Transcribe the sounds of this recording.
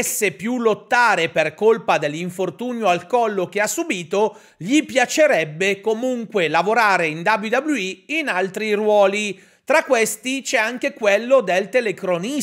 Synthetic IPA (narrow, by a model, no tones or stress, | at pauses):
sːepjulot̪ːaːɾeperkolpad̪elːiɱfort̪uːnjoalkɔlːok̟easːubiːt̪o | ʎipjat͡ʃeɾɛbːekomuŋkwelavoɾaːɾeind̪ablid̪abluiinalt̪ɾirwɔːli | t̪ɾakːwest̪it͡ʃɛaŋkekwelːod̪elt̪elekɾoni